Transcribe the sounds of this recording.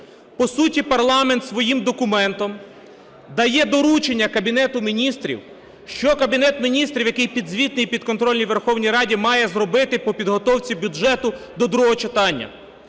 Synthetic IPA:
pɔsutʲipɐrlˠɑment̪sʋɔjimd̪ɔkʊmɛnt̪ɔm | d̪ɐjɛd̪ɔɾut͡ʃenʲːɐkɐbʲinɛt̪ʊmʲinʲist̪ɾʲḭw | ʃt͡ʃɔkɐbʲinɛt̪mʲinʲist̪ɾʲiwjɐkɪjpʲid̪zʋʲit̪nɪjpʲid̪kɔnt̪ɾɔlʲnʲijʋerxɔwnʲijɾɑdʲimɑjɛzɾɔbɪt̪ɪpɔpʲid̪ɦɔt̪ɔwt͡sʲibʲʊʒɛt̪ʊ | d̪ɔd̪ɾuɦɔt͡ʃɪt̪ɑnʲːɐ̰

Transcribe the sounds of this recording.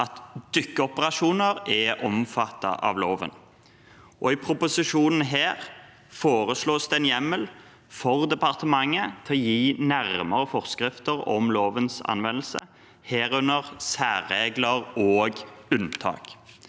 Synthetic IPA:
ɑt̪d̪ʏkːəɔpəʁɑʃuːnəʁɛʔɔmfɑt̪ːɑ̰ʔɑ̰ʋloːʋə̰n | ʔɔɪpʰɾʊpʊsɪʃuːnn̩ɦeːʁ | foːʁəsloːsd̪ɛnjɛmːəl | fɔʁd̪ɛpɑʁt̪əmɑŋːət̪ʰɛɔjiːnæʁməʁəfɔʁskʁɪft̪əʁɔ̰mloːʋənsɑ̰nʋɛnəlsə | heːʁʉnəʁsæːʁːeːɡləʁoːɡʉnt̪ʰɑ̰ːk

